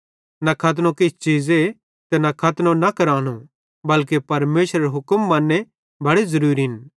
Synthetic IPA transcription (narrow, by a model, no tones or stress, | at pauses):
nɐkʰɐt̪̬nõkɪt͡ʃʰt͡ʃiːze | t̪enɐkʰɐt̪nõnɐkɐɾaːñũ | bɐlk̬epɐɾmeːʃɾɐɾeɦʊkəmːɐ̃nːe | bʱɐɽezɐɾuːɾiɦɪn